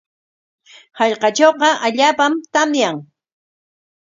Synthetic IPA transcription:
hɑʎqɑt͡ʃowqɑʔaʎaːpamt̪amjaŋ

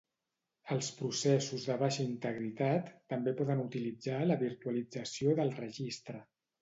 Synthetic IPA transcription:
əlˠspɾusɛsuzðəβ̞aʃəint̪əɣɾit̪at̪ːəmbepɔðənut̪ilid͡zaləβiɾt̪uəlid͡zəsioðəlˠrəʒist̪ɾə

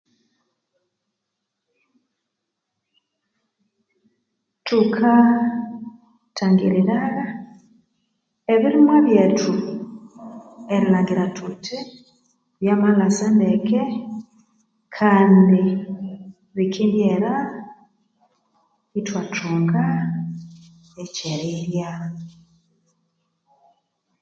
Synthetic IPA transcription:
tukʰa | tʰaŋɡiɾiɾaɣa | eβiɾimwaβjetʰu | eɾilaːŋɡiɾatʰutʰi | βjamalasendekʰe | kʰaːndi | βikʰimnjeɾa | itwatʰuːŋɡa | eceɾiɾja

